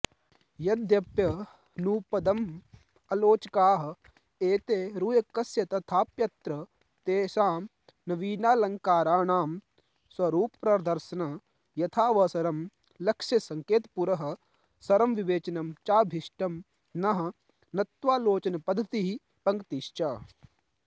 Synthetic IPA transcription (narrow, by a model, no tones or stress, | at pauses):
jɐd̪jɐpjɐ | nuːpɐd̪ɐm | ɐloːt͡ʃɐkaːɦɐ̆ | eːt̪eːɾuːjɐkːɐsjɐt̪ɐt̪ʰaːpjɐt̪ɾɐ | t̪eːʃaːm | nɐʋiːnaːlɐŋkaːɾaːɳaːm | swɐɾuːppɾɐd̪ɐɾsɐnɐ | jɐt̪ʰaːʋɐsɐɾɐm | lɐkʂɐsɐŋkeːt̪puɾɐɦɐ̆ | sɐɾɐmʋiʋeːt͡ʃɐnɐmt͡ʃaːbʱiʃʈɐm | nɐɦɐ̆ | nɐt̪ʋaːloːt͡ʃɐnɐpɐd̪ʱːɐt̪iɦi | pɐŋkt̪iʃt͡ʃaː